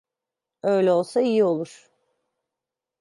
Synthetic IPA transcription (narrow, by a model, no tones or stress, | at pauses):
ø̞jlʲɛo̞lˠsaijio̞lˠuɾ̥